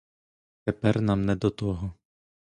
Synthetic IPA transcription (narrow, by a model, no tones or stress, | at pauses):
t̪ɛpɛɾnamnɛd̪ɔt̪ɔɦɔ